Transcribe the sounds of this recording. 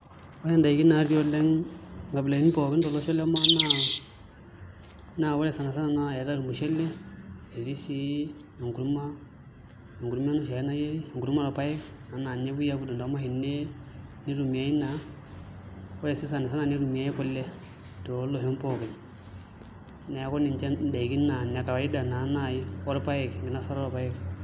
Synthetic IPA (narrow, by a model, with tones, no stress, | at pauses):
wɔ˦lɛ˦nda˨i˨ki˦na˨˦ɾi˦o˦lɛ˦ŋɡa˨bi˨la˨i˦n˦pɔ˨ɡɛ˦n˦dɔ˨lɔ˦ʃɛ˦lɛ˦ma˦na˦˨ | na˨wɔ˦lɛ˦˨sa˨na˨s̬a˦na˨na˦˨ɛ˨ta˦ɾu˨mu˨ʃɛ˦lːɛ˦e˨li˦si˦ | i˨ŋɡu˨ɾu˦ma˦ | i˨ŋɡu˨ɾu˦m˦a˦nu˦ʃa˨lɛ˦na˦je˦ɾi˦˨ŋɡu˨ɾu˦ma˦la˨pa˦jɛ˦k | na˨˦na˨ɲe˦bu˦ja˦bu˦du˨nda˨˦ma˦hi˨nːe˦ni˦ɾu˨mi˨a˦i˦na˨˦ | wɔ˦lɛ˨si˦sa˨na˨s̬a˦na˨ni˦ɾu˨mi˨a˦ji˦kɔ˦lːɛ˦ | to˨˦lo˨ɦɛ˦pɔ˨ke˨ | ne˨kɔ˦ni˨ɲt͡ʃɛ˦da˨ki˦na˨na˨ka˨wa˨˦ji˦da˨na˨˦na˦˨ji˦ɔ˦ɾpa˦jɛ˨kŋɡi˨na˦sa˦ɾa˦lɔ˨pa˦jɛ˦k